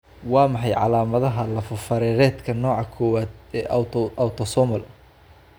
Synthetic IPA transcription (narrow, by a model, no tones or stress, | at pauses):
wɑːmɑħɑjʕɑ̰laːmɐðɐɦɐlɐfɐfɐɾɛːɾɛːd̪kʰɐnɔːʕɑkʰɔːwaːd̪̚ɛːʔʔɐwt̪ʰɔsɔmɐl